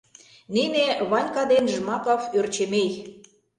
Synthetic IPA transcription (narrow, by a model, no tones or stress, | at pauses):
nineβɑnʲkɑd̪enʒə̆mɑkɑført͡ɕemej